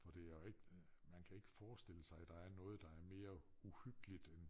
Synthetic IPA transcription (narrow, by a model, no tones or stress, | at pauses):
fɒ̽d̥e̝æɐjeɡ̥əmænkʰæe̝ɡ̥əfɒːsd̥e̝l̰əsɑ̈ɪd̥ɑ̈æɐnɔ̽ːð̞̩ˠd̥ɑ̈æɐme̝ːɐuhyɡ̥əlid̥en